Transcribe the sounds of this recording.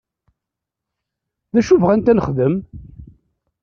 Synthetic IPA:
ðæʃuvʁænt̪ænəχðəm

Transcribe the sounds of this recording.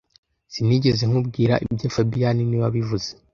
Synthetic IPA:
siniɟe̞ze̞ŋ̥ubɡiːɾaʔibɟeːfabijaniniβaβivuze

